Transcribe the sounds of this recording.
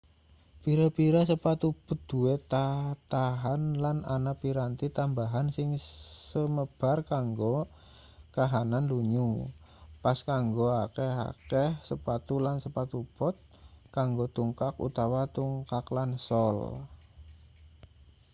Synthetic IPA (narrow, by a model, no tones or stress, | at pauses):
piɾapiɾasəpat̪ub̥ʊt̪̚d̪̥uet̪at̪aɦanlananapiɾant̪it̪ambaɦansɪŋsəməb̥a̤rkaŋɡo | kaɦananduɲu | paskaŋɡoakɛɦa̰kɛhsəpat̪ulansəpat̪ub̥ɔt̪̚ | kaŋɡot̪uŋkakṵt̪awat̪uŋkaklansɔl